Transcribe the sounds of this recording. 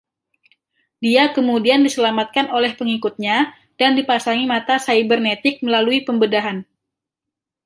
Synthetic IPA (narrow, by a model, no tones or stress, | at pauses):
diakəmudiandisəlamat̪̚kanolɛhpəŋikut̪̚ɲa | d̥andipasaŋimat̪asaibərnet̪ɪk̚məlaluipəmbədaɦan